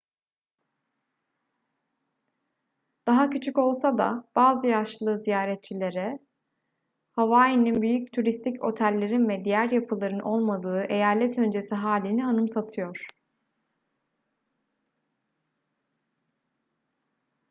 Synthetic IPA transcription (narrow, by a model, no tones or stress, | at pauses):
d̪̥aɦacʰyt͡ʃʰyko̞lˠsad̪a̰b̥aːzɯjaʃlˠɯːzijaːɾɛt̪̚t͡ʃʰilʲe̞ɾɛ | havaːjininbyjyc̚t̪ʰuɾist̪ʰico̞̰t̪ʰælʲːe̞ɾinvɛd̪ijæɾjapʰɯlˠaɾɯnʔo̞lˠmad̪ɯːʔe̞jaːlʲɛt̪ʰø̞nd͡ʒe̞siɦaːlʲinianɯmsat̪ʰɯjo̞ɾ̥